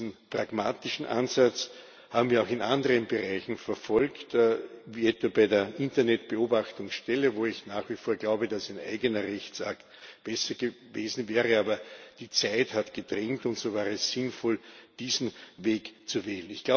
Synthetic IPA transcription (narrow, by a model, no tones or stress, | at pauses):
n̩pʁaɡmaːtɪʃn̩ʔa̰nzat͡s | haːbm̩viɐɑʊxɪnʔandəʁənbəʁaɪçn̩fɛɐfɔlktːviːɛtv̥abæɪdeːɐʔɪ̃ntɐnɛtb̥əoːbaχtʊŋsʃtɛləvoːɪçnaːχviːfoːɐɡlaʊbədasæɪnʔæ̰ɪɡənɐʁɛçt͡saktb̥ɛsɐɡ̥ə | veːzn̩vɛːʁəaːbɐd̥iːt͡sæɪthatɡ̥ədʁɛŋktʊ̃ntsoːvaːʁəɛsːɪnfɔld̥iːzn̩veːkt͡suvɛːlənɪçɡ̥laʊ